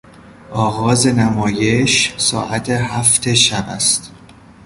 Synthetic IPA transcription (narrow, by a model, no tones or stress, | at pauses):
ʔɒːɣɒːzenæmɒːjeʃsɒ̰ːʔæt̪ʰeɦæft̪ʰeʃæbæ̰st̪